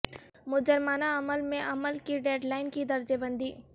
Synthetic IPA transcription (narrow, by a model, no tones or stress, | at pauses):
mʊd͡ʒəɾmaːnaɐməlmẽʔɐməlkiɖeːɖlaːɪnkid̪ɐɾd͡ʒebə̃nd̪ʱiː